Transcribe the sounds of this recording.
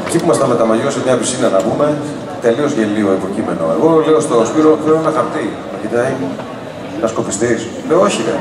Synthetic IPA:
ecipumɐst̪ɐmet̪ɐmɐʝosemɲɐpisinɐnɐvume̞ | t̪e̞liozʝelioepo̞cime̞noe̞̰ɣo̞leost̪o̞spiɾo̞θelonɐkɐpt̪i | nɐcit̪ɐi | nɐsko̞fist̪is | leooçine

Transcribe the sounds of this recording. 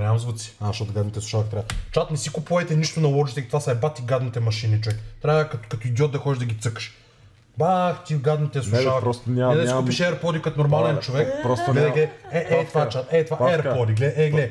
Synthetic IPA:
ɾʲamzvət̪si̥aʃt̪ɔt̪ɡad̪nit̪ɛslˠuʃavɐkit̪ɾat͡ʃat̪nɛsikupuvɛt̪ɛniʃt̪onɐlˠɔd͡ʒit̪ɛɡʲit̪vasajbat̪iɡad̪nit̪ɛmɐʃinit͡ʃovɛkt̪ɾʲaɐkɐt̪kɐt̪oid̪iɔt̪̚d̪ɐxɔd̪iʒd̪ɐɡʲit̪sɤkə̥ʃ | baxt̪iɡad̪nit̪ɛslˠuʃavɐɾsnaɛd̪ɛskupiʃɛɛɾpɔd̪ikɐt̪onoɾmalɛnt͡ʃovɛkɾsɡlɛd̪ɛɡlɛɛʔɛt̪vat͡ʃat̪ɛt̪vaɛɾpɔd̪iɡlɛʔɛɡlɛd̪

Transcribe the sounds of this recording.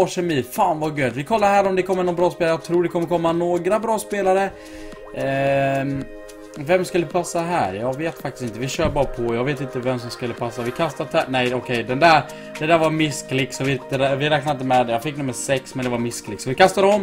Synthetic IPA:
ɔʂɛmiːfaːnvaɡøːd̪vɪkʰɔlːaɾhæːɾɔmd̪ɛkʰɔmːəɾnɔnbɾɑːspeːlɾjɑːɡ̚t̪ʰɾuːɖɛkʰɔmːəɾkʰɔmːanoːɡɾabɾɑːspeːlaɾə | vɛmskɵləɪpʰasːaɦæ̰ːɾjɑːɡveːt̪fak̚t̪ɪst̪ɪnt̪əvɪɕœːbɑːɾapʰɔjɑːɡveːt̪ɪnt̪əvɛms̬ɔmskɵlːəpʰasːavɪkʰast̪at̪ʰɛnɛjɔkʰɛjd̪ɛnd̪æːɾ | d̪̥ɛd̪æːɾvaɾmɪsklɪksɔvɪt̪əɾvɪɾɛːk̚naɾɪnt̪əmɛd̪ɛjɑːfɪkːnɵmːəʂɛksmɛnd̪ɛvaɾmɪsklɪksɔvɪkʰast̪ad̪əɔm

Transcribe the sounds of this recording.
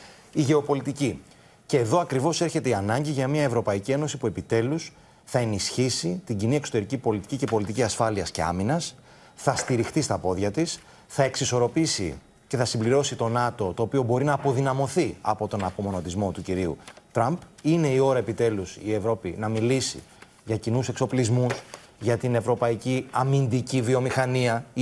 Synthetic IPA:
iʝe̞o̞po̞lit̪ici | ceːðo̞ɐkɾivo̞se̞ɾçe̞t̪e̞iɐnɐɲɟiʝɐmiɐevɾo̞pɐicie̞no̞sipue̞pit̪e̞lus | θɐe̞nisçisit̪iɲɟiniekso̞t̪eɾicipo̞lit̪i̥cice̞po̞lit̪iciɐsfɐliɐsce̞̰ɐ̰minɐs | θɐst̪iɾixt̪ist̪ɐpo̞ðʝɐt̪is | θɐe̞ksiso̞ɾo̞pisḭ | ce̞θɐsimbliɾo̞sit̪o̞nɐt̪o̞t̪o̞ːpio̞bo̞ɾinɐːpo̞ðinɐmo̞θiɐ̰po̞t̪o̞nɐpo̞mo̞no̞t̪izmo̞t̪uciɾiṵt̪ɾɐmpine̞io̞ɾɐe̞pit̪e̞lusie̞vɾo̞pinɐmilisḭ | ʝɐcinuse̞kso̞plizmus | ʝɐt̪ine̞vɾo̞pɐiciɐmind̪icivio̞mixɐniɐ

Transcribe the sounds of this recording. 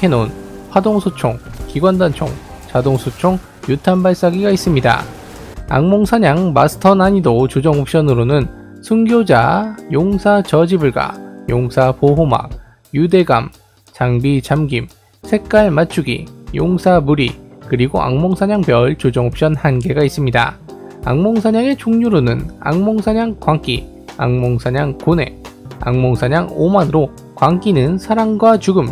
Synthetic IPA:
e̞non | ɸwadoŋsʰot͡ɕʰoŋkiɡwandant͡ɕʰoŋ | t͡ɕadoŋsʰot͡ɕʰoŋ | jutʰambaɭs͈aɡiɡais͈ɯmɲida̰ | a̰ŋmoŋsʰaɲaŋma̰sʰɯ̥tʰʌnaɲidot͡ɕod͡ʑʌŋup̚ɕ͈ʌnɯɾonɯn | sʰuŋɡjod͡ʑajoŋsʰat͡ɕʌd͡ʑibɯɭɡa̰joŋsʰapoɦoma̰k̚ | jude̞ɡam | t͡ɕaŋbit͡ɕamɡim | sʰe̞k̚k͈aɭmat͡ɕʰuɡḭjoŋsʰamuɾikɯɾiɡoʔa̰ŋmoŋsʰaɲaŋpjʌɭt͡ɕod͡ʑʌŋop̚ɕ͈ʌnhanɡe̞ɡais͈ɯmɲida | a̰ŋmoŋsʰaɲaŋe̞t͡ɕoŋɲuɾonɯna̰ŋmoŋsʰaɲaŋkwaŋk͈i | a̰ŋmoŋsʰaɲaŋkone̞̰a̰ŋmoŋsʰaɲaŋomanɯɾo | kwaŋk͈inɯnsʰaɾaŋɡwat͡ɕuɡɯm

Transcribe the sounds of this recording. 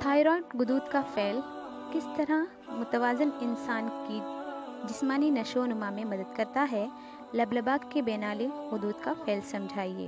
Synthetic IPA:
t̪ʰaːɪɾɔːlʈɡʊd̪uːt̪kafɛːl | kɪst̪ɐɾa | mʊt̪əʋaːzɪnɪnsaːnkid͡ʒɪsmaːninɐʃoːnʊmãmẽmɐd̪əd̪kɐɾt̪aɦɛ | lɐbləbaːɡkebɛːnaːleɡʊd̪uːd̪kafʰɛːlsɐ̃md͡ʒʱaːiḛː

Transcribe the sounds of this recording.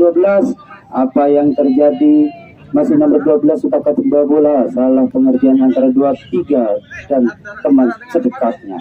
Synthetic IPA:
uabəlasʔapajaŋt̪ərd͡ʒadi | masihnambərduabəlasupakat̪ənduabolasalahpəŋərd͡ʒianant̪aɾaduat̪iɡadant̪əmansədəkat̪̚ɲa

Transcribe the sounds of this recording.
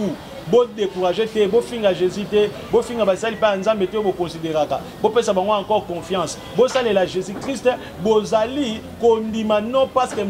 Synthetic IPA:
u | bodekuʁaʒetɛbofiŋɡaʒezitɛ | bofiŋɡabasalipajanzambetoobokɔ̃sideʁaka̰ | bopesabaŋɡoãkɔʁkɔ̃fjɑ̃s | bosalelaʒezikʁist | bozali | kondimanɔ̃paskɛ

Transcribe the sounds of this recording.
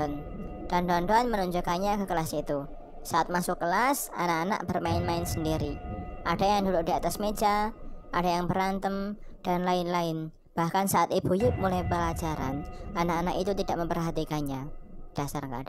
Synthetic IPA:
n | d̥and̪ɔnd̪ɔanmənuɲd͡ʒʊkaɲakəkəlasit̪u | saʔat̪̚masʊkːəlas | a̰naʔana̰ʔb̥ərmaɪnmaɪnsəndiɾiʔad̥ajaŋduɾʊdiat̪asme̥d͡ʒaʔadajaŋbəɾant̪əmd̥anlaɪnlaɪn | b̥ahkansaʔat̪ibujʊk̚mulajpəlḁd͡ʒaɾa̰nʔanakanakit̪ut̪idaʔməmpərɦat̪ikanɲad̥asarkada

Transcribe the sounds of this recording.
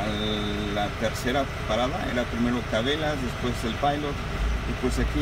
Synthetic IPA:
at̪eɾseɾa | paɾaðaḛɾapɾimeɾokaβelazðespwezelpajlo | ðespwesaki

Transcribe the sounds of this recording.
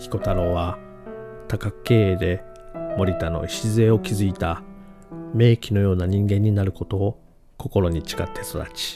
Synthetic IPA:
çi̥ko̞t̪aɾo̞ːβa | t̪akakɯ̟̥kːe̞ːed̪e̞ | mo̞ɾʲit̪ano̞̰iɕizɨe̞o̞kʲizɨit̪a | me̞ːkʲino̞jo̞ːnaɲ̟ĩŋɡẽ̞ɲ̟ːinaɾɯ̟ko̞t̪o̞ː | ko̞ko̞ɾo̞ɲ̟it͡ɕi̥kat̪ʰːesod̪a̰t͡ɕi̥

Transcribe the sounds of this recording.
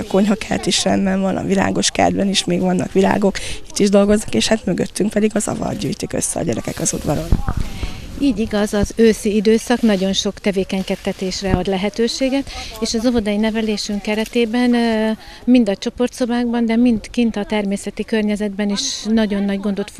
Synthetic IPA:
ɒko̞ɲɦɒkɛlt̪iʃrɛmbɛɱvɒnɒ̰vila̰ːɡo̞ʃkɛ̰ld̪bɛniʃmeːɡvɒnːɒkʋila̰ːɡo̞ki̥t̪ːiʒd̪o̞lɡo̞znɒkeːʃhat̪møɡøt̪ːyŋk̚pɛd̪iɡɒzɒ̰vɒ̰d̪ɟy̰ːjt̪ikø̰sːɛɒ̰ɟɛɾɛkɛkɒzud̪vɒɾon | iːɟiɡɒzɒzøːsiid̪øːsɒknɒɟo̞nʃo̞kt̪ɛveːkɛɲkɛst̪ːɛt̪eːʃrɛɒd̪lɛɦɛt̪øːʃeːɡɛt̪eːʃɒzɒvo̞d̪ɒjinɛvɛleːʃyŋkɛɾɛt̪eːbɛn | mind̪ɒt͡ʃo̞po̞rt̪so̞baːɡbɒnd̪ɛmint̪kint̪ɒt̪ɛrmeːsɛt̪ikørɲɛzɛd̪bɛniʃnɒɟo̞nːɒɟɡo̞nd̪o̞t̪f

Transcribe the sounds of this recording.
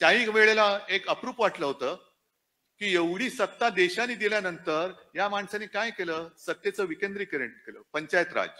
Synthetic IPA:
t̪jãɦĩːkʋeɭelaekəpɾuːpʋaʈləɦot̪əː | kiːjeʋɽ̤iːsət̪ːad̪eɕaniːd̪iljanənt̪əɾ | jamaɳsanikajkeləːsət̪jet͡səːʋikend̪ɾiːkəɾeɳʈkelə̰ːpəɲt͡ɕajət̪ɾa̰d͡ʑ

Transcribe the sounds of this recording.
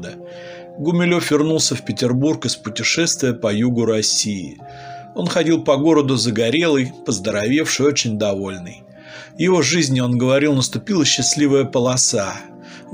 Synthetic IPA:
d̪ə | ɡʊmʲɪlʲo̞fvʲɪrnulˠsʲəfpʲɪtʲɪrburkɨspʊtʲɪʂɛst̪vʲɪjəpɐjuɡʊɾɐsʲiɪ̰ | o̞nxɐdʲilˠpɐɡo̞ɾəd̪ʊzəɡɐɾʲe̞lˠɨjpəzd̪əɾɐvʲe̞fʂɨjo̞t͡ɕɪnʲd̪ɐvo̞lʲnɨj | vjɪvo̞ʐɨzʲnʲɪo̞nɡəvɐɾʲilˠnəst̪ʊpʲilˠəɕːɪsʲlʲivəjəpəlˠɐsa

